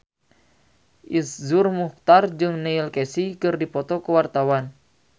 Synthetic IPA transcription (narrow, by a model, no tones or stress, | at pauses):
ʔiszurmuht̪ard͡ʒɨŋneilkɛsikɨrdipɔt̪ɔkəwart̪awan